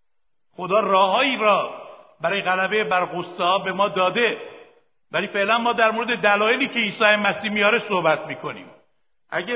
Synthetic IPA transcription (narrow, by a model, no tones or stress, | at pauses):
xo̞d̪ɒːrɒːɦɒːiːɾɒːbæɾɒːjeɣælæbe̞jebæɾɣost̪ehɒːbe̞mɒːd̪ɒːd̪e̞ | væliːfe̞ʔlænmɒːd̪æɾmoɾed̪e̞d̪ælɒːje̞liːcʰe̞iːsɒːjemæsiːmijɒːɾe̞sohbæt̪ʰmiːkʰo̞nḭːm | ʔæ̰ɟe